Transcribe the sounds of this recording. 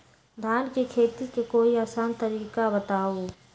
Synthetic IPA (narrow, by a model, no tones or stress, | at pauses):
d̪ʱaːnkekʰeːt̪ikekoːiaːsaːnt̪əɾiːkabət̪aːoː